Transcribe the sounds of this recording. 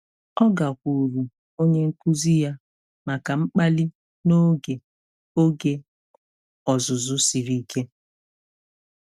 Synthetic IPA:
ɔ˦ɡa˨kʷu˨ɾu˨ | o˦ɲe˦ŋ̩˦ku˦zi˦ja˦ | ma˨ka˨ŋ͡m̩˦k͡pa˦li˦ | no˦ɡe˨ | o˦ɡe˦ | ɔ˨zʊ˨zʊ˦si˨ɾi˦kʰe˦

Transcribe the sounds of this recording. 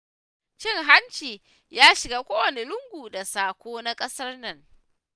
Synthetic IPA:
t͡ʃɪ˦˨ŋɦa˦nt͡ʃiː˨ | jaː˦ʃɪ˨ɡaː˦kʷoː˦wɐ˨ni˨lʊ˦ŋɡʷuː˨da˨saː˨kʷoː˦na˦kʼɐ˦sɐ˦rnɐ˨ŋ

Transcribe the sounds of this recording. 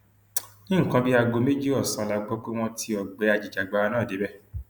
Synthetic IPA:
nĩ˦ŋ̩˨kã˧bi˦a˧ɡo˧me˦d͡ʒi˦ɔ˦˨sã˨˧la˧ɡ͡bɔ˦k͡pe˦w̃ɔ̃˧ti˧ɔ˨ɡ͡bɛ˨˦a˧˨d͡ʒi˨d͡ʒa˨ɡ͡ba˨˧a˧˦nãː˦˨de˨˦bɛ˦˨

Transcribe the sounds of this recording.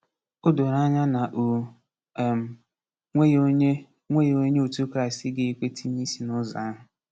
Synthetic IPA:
ʊ˦dʊ˨ɾa˦ɲa˦na˨ʔ | m̩˨ | ŋʷe˦ | ŋʷe˦jo˦ɲe˦o˨tu˦kɾa˦˨ɪ˨stɪ˦ɡe˦e˦kʷe˦tʰi˦ɲi˦si˨nʊ˦za˨˦ɦʊ˨

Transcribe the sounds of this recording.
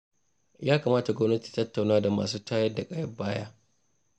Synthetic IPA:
jaː˦kaː˨maː˦ta˨ɡʷɔ˦mnɐ˦tiː˨tɐ˦tːa˨wnaː˦da˨ma̰ː˨suː˦taː˦jɐ˦da˨kʼaː˦jɐ˦baː˦jaː˦

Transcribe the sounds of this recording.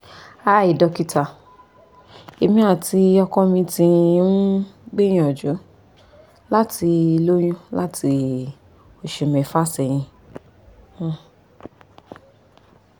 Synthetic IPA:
a˦˨i˨dɔ˧ki˧ta˨ | e˨mĩ˧˦a˦˨ti˧˦ɔ˧kɔ̃˧mĩ˧tĩ˧˦n˦ɡ͡bẽ˦ĩ˧ɔ˨d͡ʒu˨˦ | la˦ti˧i˧lo˦j̃ũ˦la˦ti˧ | o˨ʃe˨mɛ̃˨fa˦˨sɛ˨j̃ĩ˧˨

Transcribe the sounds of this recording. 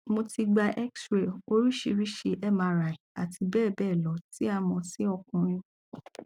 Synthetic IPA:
mo˧ti˧ɡ͡ba˧ʔɛ˦ksɾe˨o˦ɾi˦ʃe˧ɾi˦ʃe˧ʔɛ˦ma˧ɾa˨i˨a˨tʰi˧bɛː˦˨bɛː˦˨lɔ˨˦ti˦a˧mɔ̃˧si˦ɔ˧kũ˨ɾ̃ĩ˦˨

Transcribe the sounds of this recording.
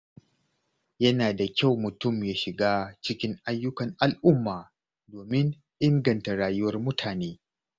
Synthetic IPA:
jɐ˦naː˨da˨kʲa˦˨wmʊ˨tʊ˦˨mjaː˦ʃɪ˨ɡaː˦t͡ʃɪ˦kʲɪ˦ŋʔa˦jːʊ˦kɐ˨ŋʔa˨lʔʊ˦mːaː˨ | doː˨mɪ˦ŋ | ʔɪ˦ŋɡɐ˨nta˨ɽaː˨jʊ˦wɐ˦rmʊ˦tʰaː˨neː˦

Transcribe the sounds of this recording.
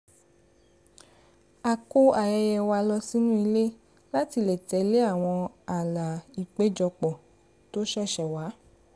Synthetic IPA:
a˨ko˦a˨jɛ˧jɛ˧wa˧lɔ˧si˦nũ˦i˧le˦ | la˦ti˧lɛ˨tɛ˧˦le˦a˦˨w̃ɔ̃˧a˨la˨i˨k͡pe˨˦d͡ʒɔ˧k͡pɔ˨ | to˦ʃɛ˦˨ʃɛ˨wa˨˦

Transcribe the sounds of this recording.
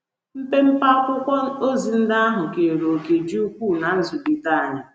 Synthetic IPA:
m̩˦pe˦m̩˦pa˦kʷʊ˦kʷɔ˦o˦zi˨n̩˦dɪ˦a˦ɦʊ˨ke˨ɾo˨ke˨d͡ʒi˦u˦kʷuː˦˨na˨˦n̩˦zʊ˨bi˨ta˦a˨ɲa˨

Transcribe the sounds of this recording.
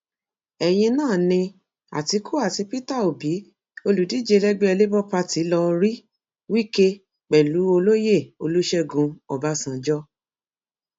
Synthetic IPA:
ɛ˨j̃ĩ˧nãː˦˨nĩ˧ | a̰˨ti˧˦kʰu˦a˦˨ti˧pi˦ta˦˨o˨bi˨˦ | o˧lu˨di˨˦d͡ʒe˧lɛ˦ɡ͡be˦ɛ˧le˦bɔ˦pa˧ti˨˦lɔ˧ɾi˦ | wi˦ke˦ | k͡pɛ˨lu˨˦o˧lo˦je˦˨o˧lu˦ʃɛ˦˨ɡũ˧ɔ˨ba˨˦sã˨d͡ʒɔ˦

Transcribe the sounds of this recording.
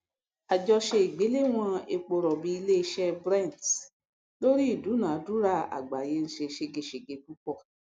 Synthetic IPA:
a˨d͡ʒɔ˧ʃe˧i˨ɡ͡be˨˦le˦w̃ɔ̃˧e˧k͡po˧ɾɔ˨bi˨˦i˧le˦i˧ʃɛ˦bɾã˦˨t | lo˦ɾi˦i˦˨du˨˦nãː˨˦du˦ɾa˦˨a̰˨ɡ͡ba˨je˨˦n̩˨ʃe˧ʃe˧ɡe˧ʃe˨ɡe˨˧ku˦k͡pɔ˦˨

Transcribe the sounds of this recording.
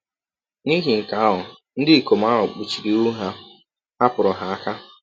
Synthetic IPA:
ni˦ɦi˨ŋ̩˨ka˨a˦ɦʊ˨ | n̩˦dɪ˦i˨ko˨m̩˦a˦ɦʊ˨k͡pu˨t͡ʃi˨ɾi˨u˦ɦa˦ | a˦pʊ˨ɾʊ˨ɦa˦a˦ka˦

